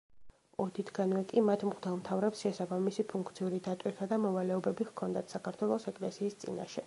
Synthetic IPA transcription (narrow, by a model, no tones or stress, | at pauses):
ɔd̪it̪ʰɡanvɛkʼimat̪ʰmqʼd̪ɛlˠmt̪ʰavɾɛpsʃɛsabamisipʰuŋkʰt̪sʰiuɾid̪at̪ʼwiɾt̪ʰad̪amɔvalɛɔbɛbiʁkʰɔnd̪at̪ʰsakʰaɾt̪ʰwɛlˠɔsɛkʼlɛsiːst̪sʼḭna̰ʃɛ